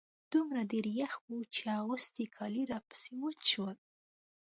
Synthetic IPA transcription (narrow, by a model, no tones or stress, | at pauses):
d̪̥umɾad̪eɾjaxwut͡ʃeawosd̪ikʰɑliɾɑpə̥siwət͡ʃwəl